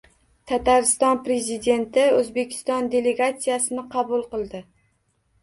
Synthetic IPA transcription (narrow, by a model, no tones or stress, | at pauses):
t̪ʰat̪aɾɪst̪ɒnpɾe̞zid̪e̞nt̪ɪɵzbe̞kʲʰɪ̥st̪ɒnd̪e̞le̞ɡat̪sijasɪnɪqʰɑbʊlˠqɨlˠd̪ɪ